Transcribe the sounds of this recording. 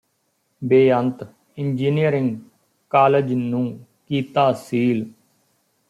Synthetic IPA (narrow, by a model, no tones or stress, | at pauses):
beːənt̪ | ɪnd͡ʒiːnijəɾɪ̃ŋɡ | kaːləd͡ʒnũː | kiːt̪aːsiːl